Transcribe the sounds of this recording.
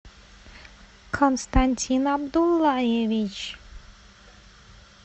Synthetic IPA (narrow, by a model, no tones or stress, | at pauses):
kʰonst̪anʲtʲʰinɑbd̪ulˠːajevit͡ʃ